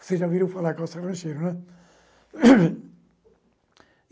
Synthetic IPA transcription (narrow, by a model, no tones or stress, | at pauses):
vɔ̥sejʒaviɾɐ̃w̃fɐlˠaɾkɔ̃wsɐʁɐ̃ʃeɾunɛ